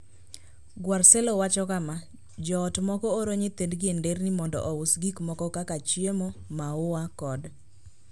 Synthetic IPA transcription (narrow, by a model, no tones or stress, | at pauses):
ɡwarsɛlowat͡ʃɔkama | d͡ʒɔːtmɔkɔoɾoɲɪt̪endɡɪendeɾnɪmɔndɔ̰ʔɔwʊsɡikmɔkɔkakat͡ʃjemomaʊwakɔd